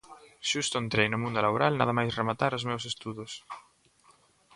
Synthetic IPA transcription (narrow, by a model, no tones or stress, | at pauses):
ʃust̪oent̪ɾejnʊmũnd̪olaβoɾalnaðɐmajsremat̪aɾʊzmewsest̪uðʊs